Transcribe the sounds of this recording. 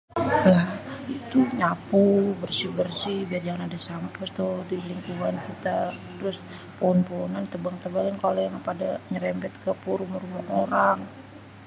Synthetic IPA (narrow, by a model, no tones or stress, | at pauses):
lahit̪uɲapubərsibərsɪhbiard͡ʒaŋanadasampəst̪udiliŋkuŋankit̪at̪əɾʊs | poɔnpoɔnant̪əbaŋt̪əbaŋankalojaŋpadaɲəɾɛmbɛt̪kəpuɾumaɾumaʔoɾaŋ